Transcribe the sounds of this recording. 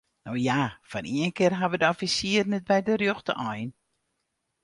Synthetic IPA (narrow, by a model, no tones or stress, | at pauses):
nowjafɔniənkɪrɦaʋədəɔfisiərnɛt̚bɛjdərjoxtə̰ʔɔjn